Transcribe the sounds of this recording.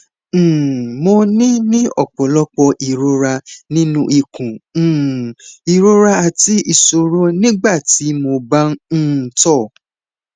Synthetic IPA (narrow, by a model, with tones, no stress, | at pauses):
mo˧nĩ˦nĩ˦ɔ̰˦˨k͡pɔ˨˦lɔ˦k͡pɔ˧ʔi˨ɾo˧ɾa˧nĩ˦nũ˦ʔi˨kũ˨ | i˨ɾo˦ɾa˧a˧˨ti˨˦i˦˨so˧ɾo˦nĩ˦ɡ͡ba˦˨ti˨˦mo˧ba˦ñ̩˦˨tɔ˦˨